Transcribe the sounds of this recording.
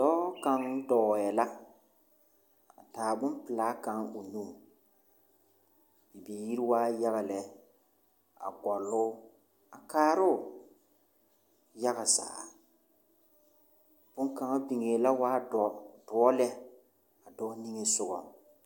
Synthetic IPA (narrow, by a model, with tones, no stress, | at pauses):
d̥ɔː˦ka˨ŋ˦dɔː˨jɛ˨la˦ | a̰˨taː˨bʊ˦npɪ˨la˨˦ka˨ŋo˨nũ˦˨ | i˨beː˨ji˦ɾi˦waː˦ja˦ɣa˨lɛ˦ | a̰˨ɡɔ˨lːʊ˦ | a˨kaː˦ɾʊ˦˨ | ja˦ɣa˨za̰ː˨ | b̥ʊ˦ŋka˨ŋa˦bi˨ŋe˨la˦waː˦˨dɔ˦lɛ˦ | a˨dɔ˦ni˦ŋe˨sʊ˦ɡɔ̰˨